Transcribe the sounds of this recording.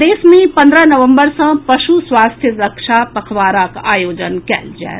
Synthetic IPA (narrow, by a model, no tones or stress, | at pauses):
d̪eːsmẽpə̃nd̪ɾənəʋə̃mbəɾsə̃pəʃuswaːst̪ʰjəɾəkʃapəkʰʋaːɾakajoːd͡ʒənkɛ̰ld͡ʒa̰ḛ